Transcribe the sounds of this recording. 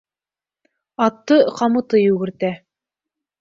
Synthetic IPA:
ɑt̪ːɤqɑmɤ̆t̪ɤjʉɡɘ̆ɾt̪æ

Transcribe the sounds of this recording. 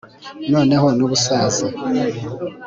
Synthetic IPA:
noːneho̞nuβusaːze

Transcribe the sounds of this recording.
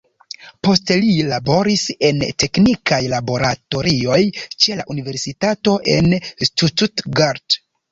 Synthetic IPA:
po̞stelilabo̞ɾise̞nte̞knikajlabo̞ɾatoɾio̞jt͡ʃe̞laʔunive̞ɾsitato̞ʔe̞nstututɡaɾd

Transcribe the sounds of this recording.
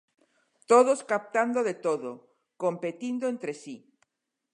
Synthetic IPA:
t̪oð̞oskap̚t̪and̪oðet̪oðo | kompet̪ind̪oẽnt̪ɾesi

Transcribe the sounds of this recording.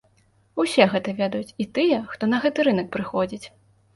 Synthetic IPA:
usʲɛɣɛt̪ɐvʲɛd̪ɐjut͡sʲit̪ɨjɛxt̪ɔnɐɣɛt̪ɨɾɨnɐk̚pɾɨxɔd͡zʲit͡sʲ

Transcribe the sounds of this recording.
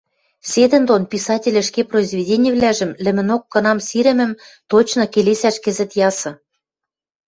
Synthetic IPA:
sʲed̪ɘ̆nd̪onpisɑtʲĕlʲɘ̆ʃkeproizvʲedʲenʲijə̆βlæʒɘ̆mlɘ̆mɘ̆nokːɤ̆nɑmsiɾɘ̆mɘ̆mt̪ot͡ɕnɤ̆kelesæʃkɘ̆zɘ̆t̪jɑsɤ̆

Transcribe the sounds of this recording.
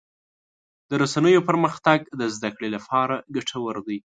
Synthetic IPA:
d̪̥əɾasanəjopəɾməxt̪aɡd̪əzd̪akɽelapʰɑɾaɡaʈʰawəɾd̪əj

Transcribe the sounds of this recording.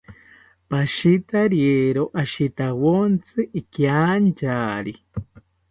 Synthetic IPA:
paʃit̪aɾjeɾoʔaʃit̪awont͡sʰɨʔikjant͡ʃaːɾi

